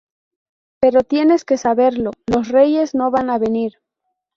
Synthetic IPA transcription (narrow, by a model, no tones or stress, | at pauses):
pe̞ɾo̞t̪je̞ne̞ske̞saβe̞ɾlo̞lo̞sre̞je̞zno̞βanaβe̞niɾ